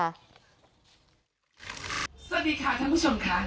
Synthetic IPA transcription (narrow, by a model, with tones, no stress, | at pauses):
sa˧diː˧˩kʰa˦˥˩t̪ʰaː˦˥npʰu˦˥t͡ɕʰo˧mkʰa˦˥